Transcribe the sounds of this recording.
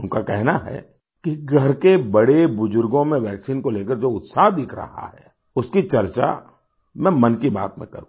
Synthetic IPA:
ʊnkakɛɦnaɦɛ̰ | kiɡʱɐɾkebɐɽebʊzʊɾɡõmẽʋɛːksiːnkoleːkəɾd͡ʒoːʊt̪saːɦd̪ɪkʰɾɐ̰ɦa̰ɦɛ̰ː | ʊskit͡ʃɐɾt͡ʃa̰ | mɛ̃ːmɐnkiba̰ːt̪mḛ̃kɐ̰ɾũ

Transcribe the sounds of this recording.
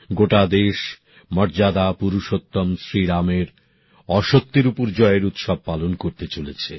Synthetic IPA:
ɡoʈad̪eʃ | mɔɾd͡ʑad̪apuɾuʃot̪ːomsɾiɾameɾ | ɔʃok̚t̪iɾupoɾd͡ʑɔeɾut̪ʃɔb̚palonkoɾt̪et͡ɕolet͡ɕʰe

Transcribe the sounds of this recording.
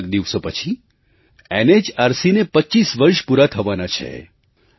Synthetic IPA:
kd̪iʋsopət͡ʃʰi | ened͡ʒaɾsinepətːt͡ʃisʋəɾʃpuɾat̪ʰəʋanat͡ʃʰḛ

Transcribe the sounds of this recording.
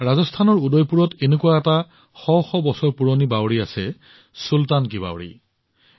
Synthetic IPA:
ɹazɔstʰanɔɹudɔjpuɹɔtenekuwaɛta | xɔwxɔbɔsɔɹpuɹonibawɹiasɛ | sultank̬iba̰wɹḭ

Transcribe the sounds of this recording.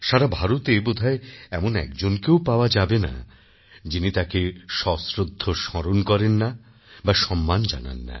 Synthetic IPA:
ʃaɾabʱaɾot̪ebod̪ʱaeɛmonɛ̰k̚d͡ʑonkewpaoad͡ʑabena̰ | d͡ʑinit̪akeʃɔsɾod̪ʱːoʃɔɾonkɔɾenːa | baʃɔmːand͡ʑa̰na̰nːa̰

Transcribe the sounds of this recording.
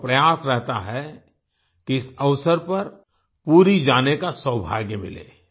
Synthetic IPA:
pɾɐjaːsɾɛɦt̪aɦɛ | kiɪsɐʋsəɾpɐɾ | puːɾid͡ʒaːnekasə̃wbʱa̰ːɡjəmɪ̰lḛː

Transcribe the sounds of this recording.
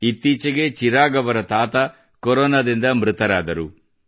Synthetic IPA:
it̪ːiːt͡ʃɐɡe̞t͡ʃiɾaːɡɐʋɐɾɐt̪aːt̪ɐ | koɾoːnɐd̪ind̪ɐmɾut̪ɐɾaːd̪ɐɾu

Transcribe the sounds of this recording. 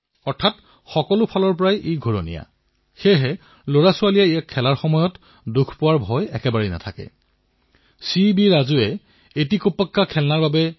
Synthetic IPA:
ɔɹtʰat | xɔkɔlʊpʰalɔɹpɔɹajʔeɡʱoɹonija̰ | xeɦɛ | loɹasʊalijaijakʰːɛlaɹxɔmɔjɔt | dukʰpʊwaɹbʱɔjɛkɛbaɹɛna̰tʰakɛ̰ | sibiɹazuɛ | etikopːakːakʰɛlnaɹbabɛ

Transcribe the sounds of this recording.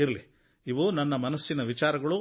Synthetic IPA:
iɾɐli | iʋunɐnːɐmɐnɐsːinɐʋit͡ʃaːɾɐɡɐɭu

